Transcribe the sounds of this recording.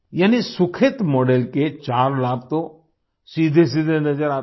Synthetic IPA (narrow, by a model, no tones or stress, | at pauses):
jaːnisʊkʰɪt̪mɔːɖelket͡ʃaːɾlaːb̚t̪o | siːd̪ʱes̬iːd̪ʱenɐd͡ʒəɾaː